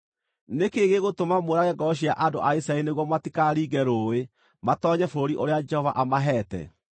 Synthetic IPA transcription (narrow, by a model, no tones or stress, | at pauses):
nekeɣeɣotomamoɾaɣɛɡɔɕ̬iaʔandoʔaisaeineɣwɔmatikaɾiːɡɛɾoːwe | matɔːɲɛfooɾiʔoɾead͡ʒɛhɔvaʔamaɦɛːtɛ̰